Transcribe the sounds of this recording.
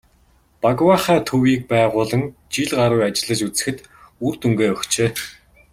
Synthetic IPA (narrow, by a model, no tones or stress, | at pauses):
paɣwaːχæːt̪ʰɵwiːk̚pæːʁʊːɮə̆ŋt͡ɕiɮɢaɾʊjat͡ɕɪ̆ɮə̆t͡ɕut͡sɘ̥̆xɘ̆t̪ | urt̪uŋɡeːɔxt͡ɕeː